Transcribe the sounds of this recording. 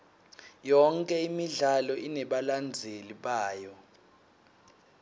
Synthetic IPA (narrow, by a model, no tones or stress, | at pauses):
jɔŋkʼɛimiɮalɔʔinɛɓaland͡zʱeliɓaːjɔ